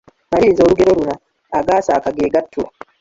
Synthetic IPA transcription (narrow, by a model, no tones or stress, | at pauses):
maɾiːnzoɾuɡɛɾoɾunaː | ɡaːsaːkaɡeːɡatːu